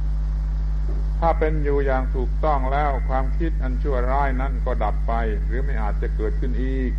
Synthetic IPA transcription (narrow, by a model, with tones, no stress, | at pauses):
t̪ʰaː˥˩pe˧njuː˨˩jaː˨˩ŋt̪ʰuː˨˩k̚t̪ɔ˥˩ŋlɛː˦˥˩wkʰwaː˧mkʰi˦˥˩t̪̚ʔa˧nt͡ɕʰu˥˩ɐɾaː˥˩jna˦˥˩nkɔː˥˩da˨˩pːa˧j | ɾɯː˩˦ma˥˩jʔaː˨˩t̪̚t͡ɕa˨˩kɤː˨˩t̪̚kʰɯ˥˩nʔiː˨˩k̚